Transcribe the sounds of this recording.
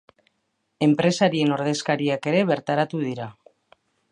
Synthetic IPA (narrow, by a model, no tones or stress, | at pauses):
e̞mpɾe̞saɾie̞no̞ɾðe̞skaɾiake̞ɾe̞βe̞ɾt̪aɾat̪uðiɾa